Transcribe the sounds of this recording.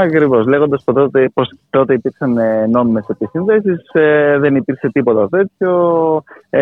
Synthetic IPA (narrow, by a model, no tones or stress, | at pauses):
ɐkɾivo̞sle̞ɣo̞nd̪ɐspot̪ot̪epost̪o̞t̪e̞ipiɾksɐnno̞mime̞se̞pisinðe̞sisðe̞nipiɾkset̪ipo̞t̪ɐt̪e̞t͡sço̞